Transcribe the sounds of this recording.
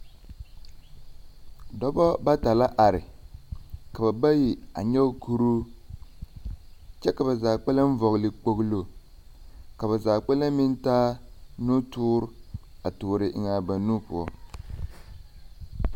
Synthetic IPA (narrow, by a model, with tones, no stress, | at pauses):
dɔ˦bɔ˦ba˦ta˨la˦ʔa˨ɾɪ˨ | ka˨ba˨ba˦ji˨a̰˨ɲɛ˦ku˦ɾu˦ | t͡ʃɛ˦ka˨ba˨zaː˨k͡pɛ˦la˦m̩˦vɔ˨ɣlɪ˨k͡po˨ɣlo˨ | ka˨ba˨zaː˨k͡pɛ˦la˦mi˦n˦taː˦nu˦tuː˦ɾa˨tʊː˨ɾɪ˦ʔɪ˦ŋa˨ba˨nu˦pʊ˨ɔ˦